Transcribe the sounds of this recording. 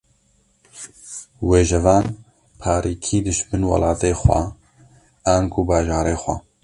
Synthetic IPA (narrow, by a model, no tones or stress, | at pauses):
weːʒɛvɑːn | pʰaːɾʔiːkʰiːd̪ɨʃbɨnwɐ̰laːt̪eːxʷwɛ̰ | aːnkʰubaːʒaːɾeːxʷɛ̰